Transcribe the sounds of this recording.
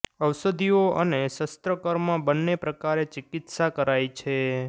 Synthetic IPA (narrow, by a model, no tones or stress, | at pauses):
əwsəd̪ʱioʔəneʃəst̪ɾəkəɾmãbənːepɾəkaɾet͡ʃɪkɪt̪sakəɾajt͡ʃʰe